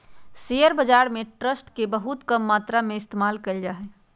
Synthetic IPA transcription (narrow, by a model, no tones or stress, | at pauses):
sejəɾbəd͡ʒaːɾmẽʈɾəsʈkebəɦut̪kəmːaːt̪ɾamẽɪst̪emaːlkəld͡ʒaɦɛ